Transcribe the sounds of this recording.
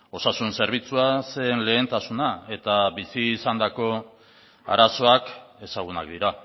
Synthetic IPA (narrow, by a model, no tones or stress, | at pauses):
o̞sasunse̞ɾβ̞it͡suase̞nle̞ːnt̪asunae̞t̪aβisiːsand̪ako̞ | a̰ɾaso̞ake̞saɣ̞unakd̪iɾa